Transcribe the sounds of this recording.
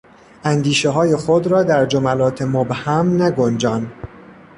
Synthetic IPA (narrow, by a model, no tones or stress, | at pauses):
ænd̪iːʃeɦɒːje̞xod̪ɾɒːd̪æɾd͡ʒomælɒːt̪ʰe̞mobhæmnæɡond͡ʒɒːn